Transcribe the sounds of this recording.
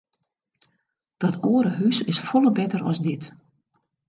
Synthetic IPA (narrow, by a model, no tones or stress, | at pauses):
d̥ɔtʰoəɾəɦysɪsfɔlˠəbɛtərɔ̰sdɪt